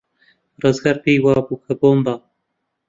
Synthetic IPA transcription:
rɨzɡaɾpiːwɑːbuːkʰɐboːmbɑː

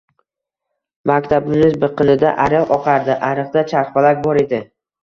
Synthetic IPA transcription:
makʲt̪ʰabnɪnɪzbɨqɨnɪd̪a̰ʔaɾɨqɒqʰɑɾd̪ɪʔaɾɨqd̪at͡ʃʰaɾχpalak̚ʲbɒɾe̞d̪ɪ

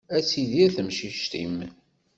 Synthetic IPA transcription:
æt͡sːiðiæθəmʃiʃt̪ḭm

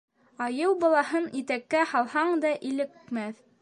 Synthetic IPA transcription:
ɑjɤwbɑlˠɑhɤnit̪ækːæhɑlˠhɑɴd̪ɑʔilɘ̆kmæθ

